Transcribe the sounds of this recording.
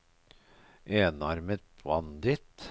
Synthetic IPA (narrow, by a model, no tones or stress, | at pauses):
ʔeːnɑɾmət̪̚pʰʋɑnd̪ɪt̪